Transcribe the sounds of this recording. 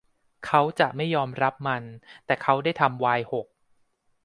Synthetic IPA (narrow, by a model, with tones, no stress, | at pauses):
kʰa˦˥wt͡ɕa˨˩ʔma˥˩jːɔː˧mɾa˦˥p̚ma˧nt̪ɛː˨˩kʰa˦˥wdaː˥˩jt̪ʰa˧mwaː˧jho˨˩k̚